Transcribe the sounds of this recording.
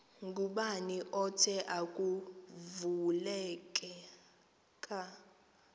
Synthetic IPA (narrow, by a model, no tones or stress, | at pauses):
ŋɡʼuɓaniʔɔtʰɛʔakʼuvulɛkʼɛ | kʼa